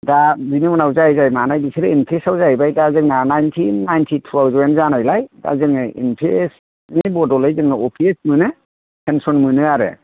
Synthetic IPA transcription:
dabinɯmɔnawzajzajmanajbisʰiɾɯinpʰesawzajbajdazɯŋnanajntʰinːajntʰitʰutʰawzwenzanajlajda̰zɯŋɯḭnpʰes | nibɔdɔlɯjzɯŋɯɔpʰiesmɯnɯ | pʰensɔnmɯnɯaɾɯ̰

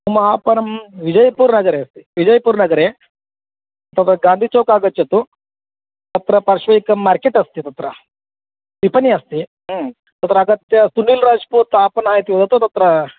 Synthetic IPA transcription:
umaːpɐnɐmʋid͡ʒɐjpuːɾnɐɡɐɾeːɐst̪i̥ʋid͡ʒɐjpuːɾnɐɡɐɾe | t̪ɐt̪ɾɐɡaːnd̪ʱit͡ʃoːkaːɡɐt̪jɐt̪u | t̪ɐt̪ɾɐpɐɾʂʋɐjikɐmːaːɾkeʈɐst̪it̪ɐt̪ɾɐ | ʋipʰɐniɐst̪i | t̪ɐt̪ɾɐɐːɡɐt̪jɐsunːiːlɾaːd͡ʒpuɾt̪ːaːpɐnaːjit̪iʋɐt̪ɐt̪ɐt̪ɐt̪ɾɐ

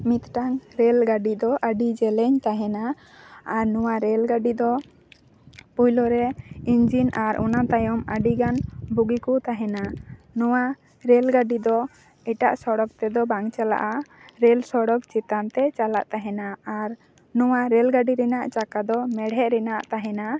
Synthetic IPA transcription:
mit̪ʈaŋɾɛlɡaɖid̪ɔʔəɖid͡ʒɛlɛɲt̪aɦɛna | aɾnɔwaɾɛlɡaɖid̪ɔ | pujlɔɾɛiɲd͡ʒinaɾʔɔ̰nat̪ajɔməɖiɡanbuɡikut̪aɦɛnanɔwa | ɾɛlɡaɖid̪ɔ | ɛʈaʔsɔɽɔk̚t̪ɛd̪ɔbaŋt͡ʃala̰ʔa | ɾɛlsɔɽɔkt͡ʃit̪ant̪ɛt͡ʃala̰ʔt̪aɦɛnaːɾ | nɔwaɾɛlɡaɖiɾɛnaʔt͡ʃakad̪ɔmɛɽɦɛʔɾɛnaʔt̪aɦɛna

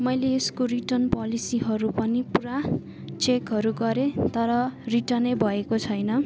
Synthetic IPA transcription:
mʌjleːskoriʈʌnpʌlisiɦʌɾupʌnipuɾa | t͡sekɦʌɾuɡʌɾet̪ʌɾʌriʈʌnebʱʌekot͡sʰʌjnʌ

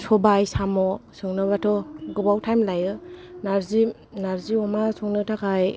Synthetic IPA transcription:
sɔbajsamɔsɯŋnɯβatʰɔɡɯbawtʰajmlajɯnaɾzi | naɾziɔmasɔŋnɯtʰakʰaj

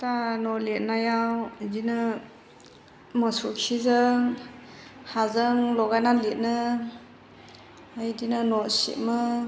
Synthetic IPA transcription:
tanɔlet̚najawdinɯ | məsukʰizɯ | hazəŋlɔɡanalet̚nɯ | ajdinɯnɔsḭʔmɯ

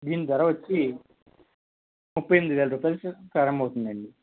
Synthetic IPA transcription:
d̪iːnid̪ʋɐɾɐʋɐt͡ʃːi | mupːɐjend̪iʋeːlɐɾupɐlskɐɾɐmɐwut̪und̪ɐɳɖi

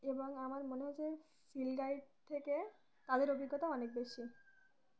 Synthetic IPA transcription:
eboŋamaɾmoneɦɔt͡ɕʰe | filɡajɖ̚t̪ʰeke | t̪ad̪eɾobiɡːɔt̪aɔnek̚beʃi

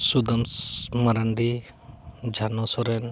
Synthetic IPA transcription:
sud̪ɐmmɐɾaɳɖi | d͡ʒʱanɔsɔɾen

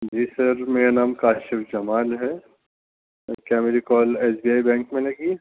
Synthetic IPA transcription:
d͡ʒiːsɐɾmeːɾenaːmkaːʃɪʋd͡ʒɐmaːlɦɛ | kjameːɾikɔːleːsbiːaːibɛ̃ːŋkmẽːnekiː

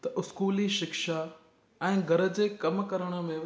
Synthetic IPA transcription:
t̪ɐʔʊskuːliʃɪkʃa | ɛ̃ːɡʱɐɾə̆d͡ʑeːkɐmkɐɾəɽ̃ə̆mẽ

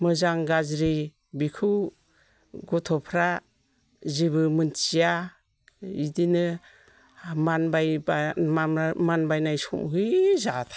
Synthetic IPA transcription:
mɯzaŋɡazɾi | bikʰɯw | ɡɔtʰɔpʰɾa | ziβɯmɯnt͡ʃija | idinɯ | manba | manbajnajsɔ̰mɦɯjzatʰḁ

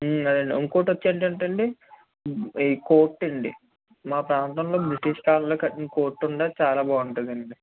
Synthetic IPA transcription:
ɐd̪ɐɳɖiuŋkoːʈʋɐt͡ʃːiɐɳʈɐɳʈɐɳɖi | ko̞ːʈːɐɳɖḭ | maːpɾaːnt̪ɐmlo̞ːbɾɐʈiʂkaːlɐloːkɐʈːinɐko̞ːʈːuɳɖaːt͡ʃaːlaːbaːuɳʈund̪ɐɳɖi

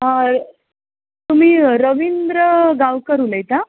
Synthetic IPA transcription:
ɦa | t̪um̤iːɾəʋind̪ɾəɡaʋkəɾuləjt̪a

